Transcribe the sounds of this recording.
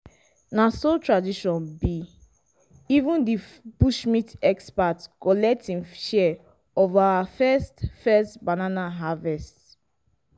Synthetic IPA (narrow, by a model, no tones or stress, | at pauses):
nasotɹadiʃɔ̃nbi | ivũndib̥uʃmitɛkspatkɔlɛk̚tĩŋʃɛ | ɔvawafɛstfɛstbananaɦavɛst